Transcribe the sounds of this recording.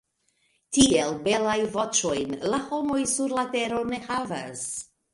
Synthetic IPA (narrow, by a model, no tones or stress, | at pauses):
tielbe̞lajvo̞t͡ʃo̞jnlaho̞mo̞jsuɾlate̞ɾo̞ne̞hava̰s